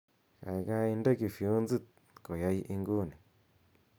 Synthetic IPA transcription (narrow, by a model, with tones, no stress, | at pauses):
ka̰˨jɣa˧i˧ndə˦ki˧˨fu˨˦nd͡zɨ˦t̪̚ | ko˨ja˧jʔi˧ŋɡu˦˨ni˨